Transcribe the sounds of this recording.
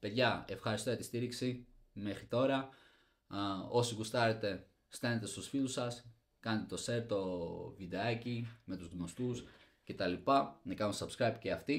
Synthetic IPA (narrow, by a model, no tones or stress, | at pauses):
pe̞ðʝɐe̞fxɐɾist̪o̞jɐt̪i̥st̪iɾiksi | me̞xɾit̪o̞ɾɐ | o̞siɣust̪ɐɾe̞t̪e̞ | st̪ɐne̞t̪e̞st̪usfilusɐs | kɐnet̪et̪o̞se̞ɾt̪o̞vid̪e̞ɐcime̞t̪uzðimost̪us | ce̞t̪ɐlipɐnɐkɐnumsɐbskɾɐjbceɐft̪i